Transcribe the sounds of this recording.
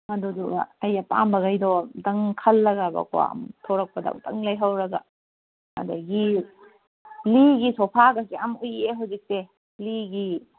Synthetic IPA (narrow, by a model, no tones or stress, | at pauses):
mɐduduɡa̰ːjapa̰mbɐɡajdɔdɐŋkʰɐlːɐɡabɐ̰kɔwa̰mtʰoɾɐk̚pɐda̰tɐ̰ŋlajɦɐwɾɐɡa̰ | ɐ̰dɐɡi | liɡisopʰaɡɐkiamujeɦawzik̚se | liɡi